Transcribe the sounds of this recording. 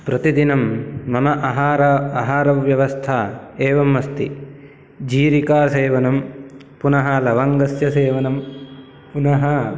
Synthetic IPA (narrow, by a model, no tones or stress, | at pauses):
pɾɐt̪id̪inɐmːɐmɐʔɐɦaːɾɐaɦaːɾɐʋjɐʋɐst̪ʰaːeːʋɐmːɐst̪ḭ | d͡ʒiːɾikaːseːʋɐnɐm | punɐɦɐlɐʋɐŋɡɐsjɐseːʋɐnɐm | punɐɦɐ